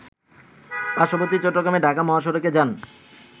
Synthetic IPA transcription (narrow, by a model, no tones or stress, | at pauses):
paʃopot̪it͡ɕoʈːoɡɾameɖʱakamɔɦaʃ̬oɾoked͡ʑan